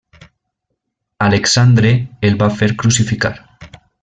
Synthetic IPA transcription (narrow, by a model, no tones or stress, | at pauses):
aleksand̪ɾeːlβafeɾkɾusifika̰ɾ